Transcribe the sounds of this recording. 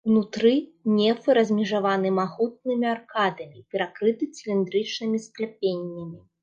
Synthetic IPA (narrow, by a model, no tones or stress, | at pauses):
wnut̪ɾɨnʲɛfɨɾɐzʲmʲɛʐavanɨmaɣut̪̚nɨmʲiarkad̪ɐmʲipʲɛɾakɾɨt̪ɨt͡sʲilʲind̪ɾɨt͡ʂnɨmʲisklʲɛpʲenʲːɐmʲi